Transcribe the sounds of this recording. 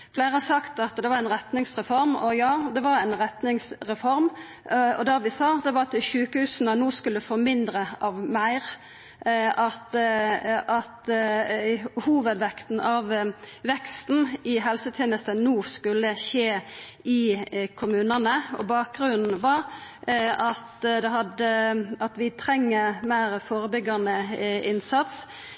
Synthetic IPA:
flæɪɾɑsɑkt̪ɑt̪d̪ɛʋɑɾɛɪnɾɛt̪nɪŋsʁɛfɔɾmɔjɑːd̪ɛʋɑɾæɪnɾɛt̪nɪŋsɾɛfɔɾm | ɔ̰d̪æɾʋɪsɑːd̪ɛʋɑɑt̪ʃʉːkəhʉːsnənuːskʉlːəfɔɾmɪnd̪ɾəɑʋmæɪɾ | ɑt̪ | ɑt̪ | huːʋəd̪ʋɛkt̪n̩ɑʋʋɛkst̪n̩ɪɦɛlsət̪ʰeːnəst̪ənuːskʉlːəʃeː | ɪkʰʊmʉːnənəɔ̰bɑːk̚ɡʁʉnn̩ʋɑɾ | ɑt̪d̪ɛhɑd̪əɑt̪ʋɪt̪ʰɾɛŋːəmæɪɾfoːɾəbʏɡːɑnəɪnsɑt̪s

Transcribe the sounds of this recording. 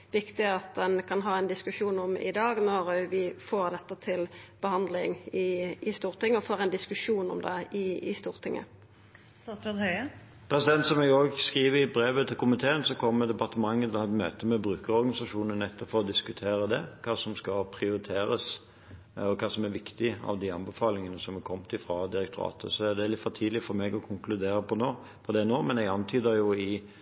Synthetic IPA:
ʋɪkt̪ɪɑt̪̚d̪ɛnkʰɑnɦɑːɛnd̪ɪskʉʂuːnɔmɪ̰d̪ɑːɡnɔɾʋɪfoːʁd̪ɛt̪ːət̪ʰɪlb̥əhɑnd̪lɪŋɪɪst̪uːʁt̪ʰɪŋːəɔfoːʁɛnd̪ɪskʉʂuːnɔ̰md̪ɛɪɪst̪uːʁt̪ʰɪŋːə̰ | ɑsɾod̪hœʏ | pʰɾɛsɪd̪ɛnt̪sɔmɛɡoɡskiːʋəɪbɾeːʋət̪ʰɪlkʰʊmɪt̪ʰeːənsɔkʰɔmːɛd̪ɛpɑʁt̪əmɑŋːət̪lhɑɛt̪mø̰ːt̪əmɛbɾʉːkəɾɔɾɡɑnɪsɑʂuːnənɛt̪ʰːɔpfɔɾɔd̪ɪskʉt̪ʰeːɾəd̪ɛkʰɑːsɔmskɑpʰɾɪʊɾɪt̪ʰeːɾəs | ɔkʰɑːsɔmæɾʋɪkt̪ɪɑ̰ʋd̪iɑnbəfɑːlɪŋənəsɔmɛkʰɔmt̪ʰɪfɾɑd̪ɪɾɛkt̪ʰʊɾɑ̰ːt̪ə̰sɔæd̪ɛlɪt̪fɔt̪ʰiːd̪lɪfɔɾmeːɡɔkʰʊŋklʉd̪eːɾəpʰɔnoː | pʰɔd̪ɛnoːmɛnɛɡɑnt̪ʰyːd̪əjʊɪ

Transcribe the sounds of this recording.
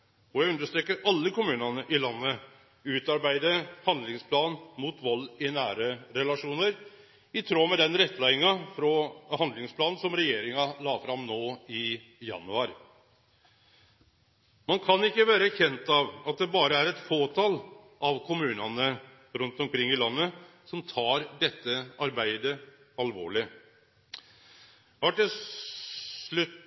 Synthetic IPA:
ɔjæɪʉnd̪əʂt̪ɾɛːkːəɾɑlːəkʊmʉːnɑnəʔɪlɑnːə | ʉːt̪ɑɾbæɪd̪əhɑnd̪lɪŋspʰlɑːnmut̪ʋɔlːɪnæːɾəɾɛlɑʂuːnəɾ | ɪt̪ʰɾoːmɛd̪ɛnɾɛt̪ːlæɪɪŋɑfɾɔhɑnd̪lɪŋspʰlɑːnn̩sɔmɾɛjeːɾɪŋɑlɑːfɾɑmnoːɪ | jɑ̰nʉɑɾ | mɑnkʰɑnɪkːəʋæːɾəçɛnt̪ɑʋɑt̪̚d̪ɛbɑːɾəæɾɛt̪foːt̪ʰɑl | ʔɑʋkʰʊmʉːnɑnə | ɾʉnt̪ɔmkʰɾɪŋːɪlɑnːə | sɔmt̪ʰɑːɾd̪ɛt̪ːəɑɾbæɪd̪ə | ɑlʋo̰ːɭɪ | ʋɑʈɪ | lʉ

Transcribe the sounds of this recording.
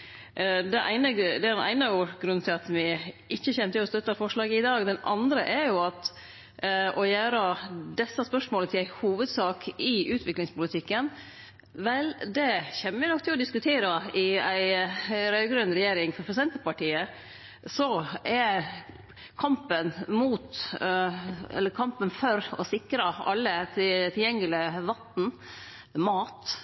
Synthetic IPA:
d̪ɛʔæ̰ɪnəd̪ɛæɖɛnʔæ̰ɪnəuːɾɡɾʉnt̪ʰɪlɑt̪ʋɪʔɪçːəçɛnːət̪ɪlɔst̪œt̪ːɑfɔʂɭɑːɡəɪd̪ɑːɡd̪ɛnɑnd̪ɾəʔæɾjʊɑt̪ | ɔjæːɾəd̪ɛsːɑspœʂmoːlət̪ʰɪlæɪhuːʋəd̪sɑːkʰɪʉːt̪ʰʋɪklɪŋspʊlɪt̪ʰɪkːən | ʋɛld̪ɛçɛmːəʋɪnɔkt̪ʰɪlɔd̪ɪskʉt̪ʰeːɾɑɪæɪɾœʏɡɾʉnːɾɛjeːɾɪŋfɔɾpʰɾɛsɛnt̪əpɑʈiːə | sɔʔæ | kʰɑmpənmuːt̪ | ɛ̰lːəkʰɑmpənfɔɾɔsɪkɾɑɑ̰lːət̪ʰt̪ʰɪljɛŋːəlɪʋɑt̪n̩ | mɑːt̪

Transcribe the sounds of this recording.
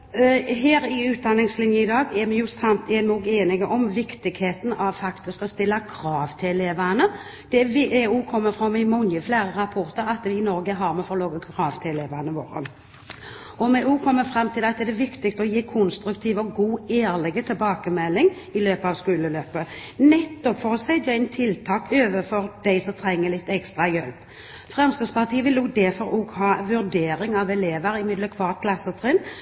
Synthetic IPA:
ɦeːɾɪʉːt̪̚d̪ɑnːɪŋslɪnjəɪd̪ɑːɡɛmɛjʊsɑɛmɛɔːɡeːnɪɡəʔɔmʋɪkt̪ɪɡheːt̪n̩ɑʋfɑkt̪ɪskɔst̪ɪlːəkʰɾɑːʋt̪ʰɪlɛleːʋənə | d̪̥ɛʋeːuːkʰɔmːəfʁɑmːɪmɔŋəfleːɾəʁɑpʰɔʁt̪əɾɑt̪ʋɪɪnɔɾɡəɦɑɾmɛfɔʁloːɡəkʰʁɑːʋt̪ʰɪɛleːʋanəʋo̰ːɾə̰ | ɔmɛʔuːkʰɔmːəfʁɑmt̪ʰɪlɑt̪d̪ɛd̪ɛʋɪkt̪ɪkst̪əɔjiːkʰʊnst̪ɾʉkt̪ʰiːʋɔɡuːeːɾlɛɡət̪ʰɪlbɑːkəmɛlːɪŋ | ɪløːpəɑʋskʉːləløːpənɛt̪ːɔpfɔʁsæɪd̪ɛɪnt̪ʰɪlt̪ʰɑːkøːʋəfɔɾd̪̥æɪsɔt̪ʰɾɛŋːəlɪt̪ːɛkst̪ʁɑjœlp | fʁɛmskəspɑʁt̪ʰiːəʋɪloːɡ̚d̪ɛfɔɾoːɡhɑːʋʉʁd̪eːɾɪŋɑʋɛleːʋəɾɪmɪd̪ləkʰʋɑːʁt̪̚kʰlɑsːət̪ʰʁɛːn

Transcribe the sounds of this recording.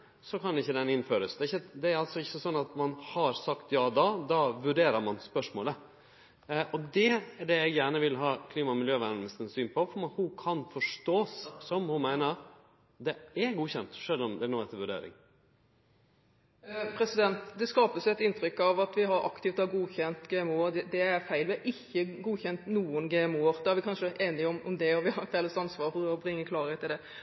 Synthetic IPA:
sɔkʰɑnɛɪçːəd̪ɛnɪnføːɾəsd̪ɛːɪçːəd̪ɛæɾɑlsɔɪçːəsɔnːɑt̪mɑnhɑɾsɑkt̪jɑːd̪ɑːd̪ɑːʋʉɖeːɾəɾmɑnspœʂmoːlə | ʔɔd̪ɛæɖɛɛɪɡjæːɳəʋɪlɦɑːkʰliːmɑmɪljøːʋænnəst̪ənsyːnpʰɔfɔɾmɑt̪hʊkʰɑnfɔʂʈoːssɔmhʊnmæɪnəɾ | d̪ɛæɡuːçɛnt̪ʂœlːɔmd̪ɛnoːɛt̪əʋʉɖḛːɾɪ̰ŋ | pʰɾɛsɪd̪ɛnt̪d̪ɛskɑːpəsɛt̪ɪnt̪ɾʏkːɑʋɑt̪ʋɪɦɑɾʔɑ̰kt̪ɪft̪ɔhæɾɡuːçɛnt̪ɡeːɛmuːd̪ɛd̪ɛæɾfæɪlʋɛʔɪçːəɡuːçɛnt̪nuːənɡeːɛmuːəɾd̪ɛæɾʋɪkʰɑnʂəʔeːnɪɔmʔɔmd̪ɛɔʋɪhɑɾfɛːləst̪ɑnsʋɑːɾhʊɔbɾɪŋːəkʰlɑːɾəhet̪ːɪld̪ɛ

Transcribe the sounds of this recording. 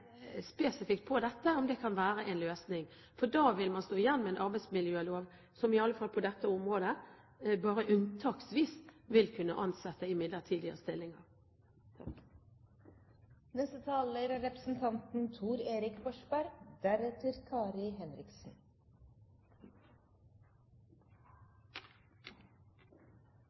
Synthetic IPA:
speːsɪfɪkt̪̚pʰɔd̪ɛt̪ːəɔmd̪ɛkʰɑnʋæːɾəʔɛnløːsnɪŋ | fɔdɑːʋɪlmɑnst̪oːjænːmɛɛnʔɑɾbæɪsmɪljøːloːʋ | sɔmɪɑlːəfɑlpʰɔd̪ɛt̪ːəɔmʁoːd̪ə | bɑːɾəʔʉnt̪ʰɑːksʋiːsʋɪlkʰʉnːə̰ʔɑnsɛt̪ːəɪmɪd̪lət̪ʰiːd̪ɪə̰əst̪ɪlːɪŋɑʁ | nɛst̪ət̪ʰɑːləɾæɾɛpɾəsn̩t̪ʰɑnt̪n̩t̪ʰuːɾeːɾɪkbɔʂbæɾd̪̥æɾɛt̪əɾkʰɑːɾɪɦɛnɾɪksn̩

